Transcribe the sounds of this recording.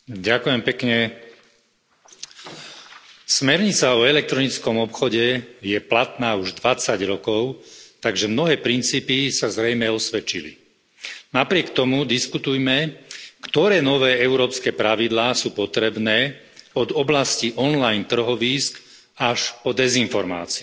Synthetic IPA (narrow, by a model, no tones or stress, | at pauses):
ɟakujɛmpɛkɲɛ | smɛɾɲit͡saɔɛlɛk̚t̪ɾɔnit͡skɔmɔpxɔɟɛjɛplat̪naːuʒd̪ʋat͡saɟɾɔkɔʊt̪aɡʒɛmnɔɦɛːpɾint͡siːpisazɾɛjmɛɔsʋɛt͡ʃilḭ | napɾɪɛkt̪ɔmud̪iskut̪ujmɛkt̪ɔɾɛːnɔʋɛːɛʊɾɔːpskɛːpɾaʋid̪laːsuːpɔt̪ɾɛbnɛː | ɔd̪ɔblasciʔɔnlajnt̪r̩ɦɔʋiːsk | aʃpɔd̪ɛzinfɔɾma̰ːt͡si